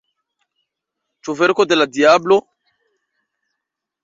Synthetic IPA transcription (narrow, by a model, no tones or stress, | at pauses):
t͡ʃuvɛɾkod̪elad̪iablo